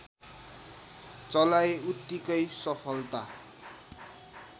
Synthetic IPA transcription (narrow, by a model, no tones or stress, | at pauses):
t͡sʌlaeut̪ːikʌjsʌpʰʌlt̪a